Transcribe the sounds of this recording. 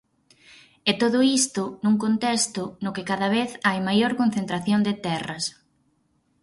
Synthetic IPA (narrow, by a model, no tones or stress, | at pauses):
ɛt̪oðʊist̪ʊnuŋkont̪ɛst̪ʊnʊkɪkaðɐβeθajmajoɾkon̟θent̪ɾaθjond̪et̪ɛrɐs